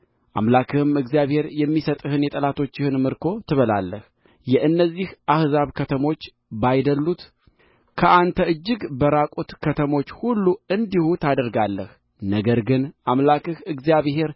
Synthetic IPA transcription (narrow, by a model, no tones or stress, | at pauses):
ʔa̰mlakʰɨhɨmɨɡzijaβhe̞ɾjɛmːisət̪ʼɨhɨnjɛt̪ʼəlat̪ʰo̞t͡ʃːɪhɨnmɨɾkʰo̞t̪ʰɨβəla̰lːəh | jɛʔɨnːəzːihʔahzaβkʰət̪ʰəmo̞t͡ʃː | bajd̪əlːut̪ | kʰəʔant̪ʰəɨd͡ʒːɨɡbəɾakʼut̪kʰət̪ʰəmo̞t͡ʃːhulːuɨnd̪ihut̪ʰad̪əɾɡalːəh | nəɡəɾɡɨnʔamlakɨhɨɡzjaβhe̞ɾ